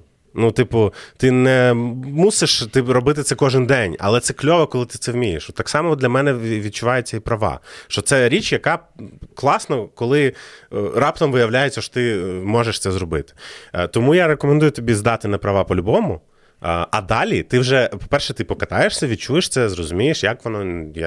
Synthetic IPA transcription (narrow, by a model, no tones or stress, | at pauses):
nut̪ɪpʊt̪ɪnɛmuseʃt̪ɪɾɔbɪt̪ɪt̪sɛkɔʒɪnd̪ɛnʲɐ̰lˠɛt̪sɛklʲɔʋɐkɔlˠɪt̪ɪ̥t̪sɛwmʲijeʃɔt̪ːɑksɑmɔd̪lʲɐmɛnɛʋʲid̪̚t͡ʃʊʋɑjet͡sʲːɐipɾɐʋɑ̰ʃt͡ʃɔt̪sɛɾʲit͡ʃjɐkɑklˠɑsnɔkɔlˠɪ | rɑpt̪ɔmʋɪjɐwlʲajet͡sʲːɐʃɔ̥t̪ɪmɔʒɛʃt̪ɛzɾɔbɪt̪ɪ̥t̪ɔmujaɾekɔmend̪ujʊt̪ɔbʲizd̪ɑt̪ɪnɐpɾɐʋɑpɔlʲʊbɔmʊ | ʔɐd̪ɑlʲit̪ɪwʒɛpɔ̥pɛrʃɛt̪ɪpɔkɐt̪ɑjeʃsʲɐʋʲid̚t͡ʃujeʃt̪sɛzrɔzʊmʲijeʃjakʋɔnɔj